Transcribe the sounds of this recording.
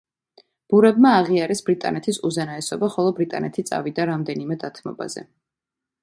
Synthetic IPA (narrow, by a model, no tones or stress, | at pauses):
b̥uɾɛbmaːʁiaɾɛsbɾit̪ʼa̰nɛt̪ʰisuzɛnaɛsɔbaχɔlˠɔbɾit̪ʼa̰nɛt̪ʰit̪sʼa̰vid̪aɾamd̪ɛnimɛd̪at̪ʰmɔ̰ba̰z̥ɛ̰